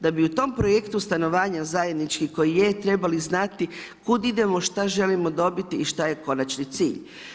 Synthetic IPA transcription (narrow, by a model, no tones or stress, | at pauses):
d̪abiut̪o̞mpɾo̞jekt̪ust̪ano̞ʋaːɲazajed̪nit͡ʃkiko̞jijet̪ɾe̞baliznat̪i | kud̪id̪e̞mo̞ʃt̪aʒe̞limo̞d̪o̞bit̪iːʃt̪ajeko̞nat͡ʃnit̪siːʎ